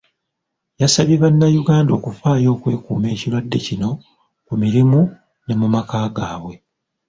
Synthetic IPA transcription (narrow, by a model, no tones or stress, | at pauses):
jasaβjeβanːajuɡaːndo̞ːkufaːjo̞ːkwe̞ːkuːme̞ːcilwadːe̞cino̞ | kumiɾimu | ne̞mumakaːɡaːβwe̞